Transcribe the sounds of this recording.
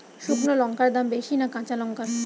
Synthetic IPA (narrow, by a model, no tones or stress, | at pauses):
ʃuknolɔŋkaɾd̪ambeʃinakãt͡ɕalɔŋka